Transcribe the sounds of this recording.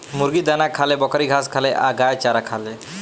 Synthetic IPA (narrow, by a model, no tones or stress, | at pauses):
muɾɡid̪anakʰalebɔkaɾiɡʱaskʰaleʔaɡajt͡ʃaɾakʰale